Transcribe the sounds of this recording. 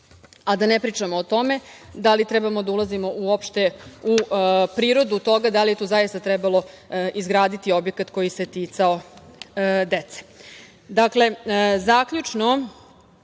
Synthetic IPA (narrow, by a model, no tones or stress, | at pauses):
ad̪anepɾiːt͡ʂamoːt̪o̞me̞d̪alit̪ɾɛbamod̪aulˠazimo̞ʔuopʃt̪e̞upɾiːɾo̞d̪ut̪o̞ɡad̪alijet̪uːzajist̪at̪ɾɛbalˠo̞ | izɡɾaːd̪it̪io̞bjekat̪ko̞jise̞t̪it̪sao̞ | d̪e̞t̪se̥ | d̪akle̞zakʎut͡ʂno